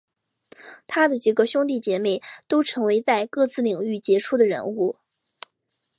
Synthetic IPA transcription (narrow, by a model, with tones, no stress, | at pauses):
t̪ʰa˥d̪ə˨t͡ɕi˨˩ɡə˦ɕjʊ˥ŋt̪i˥˩t͡ɕjɛ˧˥me˨˩ɪt̪o˥ʊʈ͡ʂʰɤ˧˥ŋwe˧˥ɪt͡sa˥˧ɪkɤ˥˧t͡sɹ̩˥˩li˨˩ŋy˥˩t͡ɕjɛ˧˥ʈ͡ʂʰu˥d̪ə˨ɻə̰˧˥nu˥˩